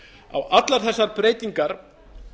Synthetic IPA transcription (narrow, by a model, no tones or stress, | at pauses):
a̰wat̪laɾ̥θɛsːaɾpɾeːjt̪iŋkaɾ̥